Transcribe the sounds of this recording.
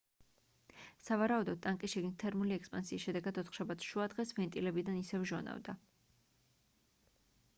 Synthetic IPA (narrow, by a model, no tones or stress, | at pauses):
savaɾaud̪ɔd̪̚t̪ʼːaŋkʼiʃɛɡnit̪ʰɛɾmuliɛkspʼansiːsʃɛd̪ɛɡad̪ɔt̪ʰχʃabat̪sʰʃuad̪ʁɛsvɛnt̪ʼilɛbid̪anisɛvʒɔna̰vd̪a